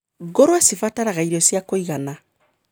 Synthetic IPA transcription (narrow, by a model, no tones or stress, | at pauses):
ɡoɾoesifataɾakaiɾesiakoikana